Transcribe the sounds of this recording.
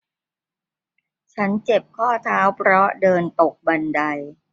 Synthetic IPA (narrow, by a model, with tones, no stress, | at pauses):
t͡ɕʰa˦˥nt͡ɕe˨˩p̚kʰɔː˥˩t̪ʰaː˦˥wpʰɾɔ˦˥dɤː˧nt̪o˨˩k̚ba˧nda˧j